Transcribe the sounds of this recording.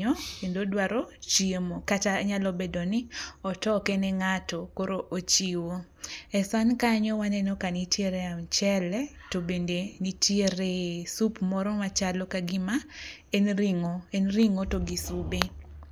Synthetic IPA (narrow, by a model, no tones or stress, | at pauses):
ɔendodwaɾot͡ʃiemokataɲalɔbɛdɔnɪɔtɔkeneŋatokoɾoʔot͡ʃiwo | ɛsankaɲɔwanɛnokanitjeɾeamt͡ʃɛlɛ | tobendenitjeɾesupmɔɾɔmat͡ʃalɔkaɡɪma | enɾiŋoenriŋotoɡisube